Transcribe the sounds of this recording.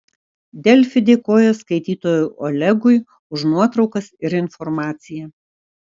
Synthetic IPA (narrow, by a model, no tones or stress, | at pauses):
d̪ʲɛlʲfʲɪd̪ʲekoːjoːskɐɪt̪ʲiːt̪oːjʊʔɔlʲɛɡʊɪ | ʊʃnuɔt̪ɾɒʊkɐsɪɾɪnfɔɾmɑːt̪sʲɪjɛ